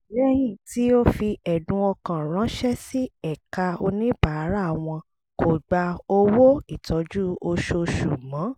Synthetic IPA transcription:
ɾɛ˦˧jĩ˨ti˨˦o˦fi˧ɛ˨dũ˧˦ɔ˧kã˨ɾ̃ã˨˦ʃɛ˦si˦ɛ˨ka˧o˧nĩ˦ba˨˦ɾa˦˨w̃ɔ̃˧ | kʰo˨ɡ͡ba˧o˧wo˦i˦˨tʰɔ˨˦d͡ʒu˦o˧ʃo˧ʃu˨mã˨˦

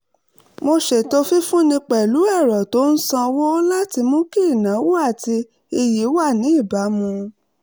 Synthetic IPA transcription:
mo˧ʃe˨to˧fi˦fũ˦nĩ˧k͡pɛ˨lu˨˦ɛ˦˨ɾɔ˨to˦n̩˦sã˧wo˦la˦ti˧mũ˦ki˦i˦˨nã˨˦wo˦a˦˨ti˧ | i˧ji˨˦wa˦˨nĩ˨˦i˦˨ba˨˦mũ˧

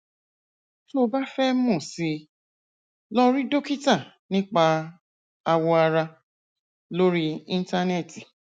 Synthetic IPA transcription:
to˧˦ba˦fɛ˦mɔ̃˦˨si˧ | lɔ˦ɾĩ˦do˦ki˦ta˦˨ | nĩ˦k͡pa˧ | a˧wɔ˧a˧ɾa˧ | lo˦ɾi˦ĩ˦n˦ta˦nɛ˦˨ti˨

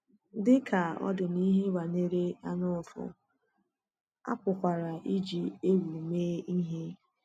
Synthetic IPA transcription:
dɪ˦kʰa˨ɔ̰˦dɪ˨ni˦ɦe˦wa˨ne˦ɾe˦a˦nʊ˦ɔ˨fʊ̰˨ | a̰˦pʊ˨kʷa˨ɾa˨ʔi˦d͡ʒi˨e˦wu˨meː˦i˦ɦe˦

